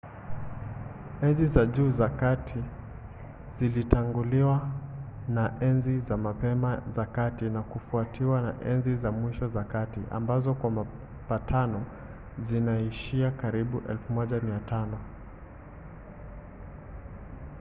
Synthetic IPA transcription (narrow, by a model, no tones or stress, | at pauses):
ɛnzizaʄuːzakatʰi | zilitaŋɡuliwa | naʔɛnzizamapɛmazakatinakufuatiwana̰ʔɛnzizamwiʃɔzakatḭʔa̰mbazɔkwama | patʰanɔ | zinaiʃiakaɾiɓuʔɛ̰lfumɔʄamiatanɔ